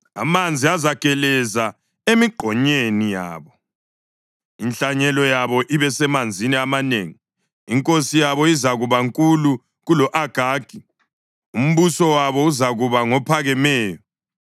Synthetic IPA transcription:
a̰mand͡zʱiazakʼɛlɛza | emiɡ͡ǃʱɔɲenija̰ːβɔ | inɬaɲɛlɔjaβɔʔiβɛsɛmand͡zʱiniamaneːŋi | iŋkʼosijaβɔizaɣuβaŋkʼulu | ɣulɔʔaɡ̥ʱaːɡ̥ʱi | um̩βusɔwaβɔuzaɣuβaŋɔpʰaɣɛmɛːjɔ

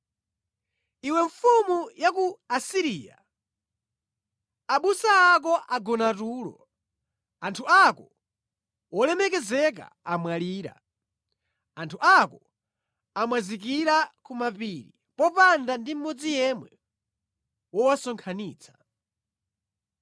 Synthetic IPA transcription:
iwɛɱfumujakuasiɾiːja̰ | aɓusaːk̬ɔʔaɡɔnatuːlɔ̰ | antʰuakɔ | wɔlɛmɛkɛzɛk̬a̰ | amwaliːɾa̰ | antʰuʔakɔ | amwazik̬iɾakumapiɾi | pɔpandandim̩mɔd͡zijɛmwɛ | wɔwasɔŋkʰaniːt͡sʰḁ

